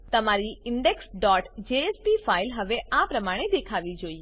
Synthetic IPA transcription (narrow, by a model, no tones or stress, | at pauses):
t̪əmaɾiɪɳɖeksɖɔʈd͡ʒeespifailɦəʋeʔãpɾəmaɽ̃ed̪ekʰaʋid͡ʒoie